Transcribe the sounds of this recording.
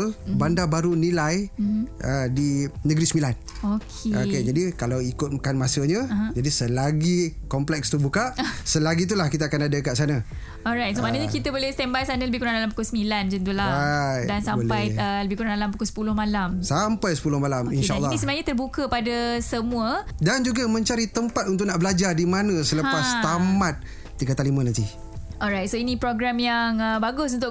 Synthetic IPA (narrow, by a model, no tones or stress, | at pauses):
lbandabaɾunĩlajʔədinəɡɾisəmilan | okʰeoked͡ʒadikalawikʊt̪̚kanmasəɲãd͡ʒadisəlaɡikɔmplɛkst̪ubukaʔsəlaɡit̪̬ulahkit̪̬aːkanadəkaʔsana | ɔɾajt̪̚somanaɲəkit̪əbolɛhst̪ɛmbajsanələbɪhkuɾandalampu̥kʊlsəmĩland͡ʒənt̪̬ulaajdansambolpajələbɪhkuɾãndalampukʊlsə̥pulʊhmalamsampajsə̥pulʊhmalamineʃaanlːnisəmənaɲət̪ərbukəpadasəmũədand͡ʒuɡamə̃ɲt͡ʃaɾit̪əmpat̪̚unt̪ʊʔ̚naʔbəlad͡ʒardimanãsələpast̪amat̪̚ː | iɡat̪alimə̃nãnt̪i | ɔɾajt̪̚soinipɾoɡɾamjaŋəbaɡʊsunt̪ʊʔ